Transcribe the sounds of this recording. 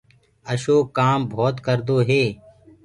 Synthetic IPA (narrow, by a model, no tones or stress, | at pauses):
əʃoːkaːmbʱoːt̪kəɾd̪oːɦeː